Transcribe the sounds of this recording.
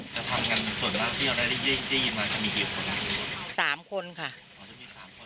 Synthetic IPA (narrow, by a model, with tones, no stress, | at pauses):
t͡ɕa˨t̪ʰa˧mka˧nsu˨˩ənmaː˥˩k̚t̪ʰiː˥˩ʔa˧na˥˩ɾa˥˩˧a˥˩˧da˥˩ji˧nmaː˧t͡ɕa˧˩miː˧˩kiː˧˩kʰo˧na˧˩saː˩˦mkʰo˧nkʰa˥˩ | ɔ˨˧˩t͡ɕa˨˩miː˧saː˩˦mkʰo˧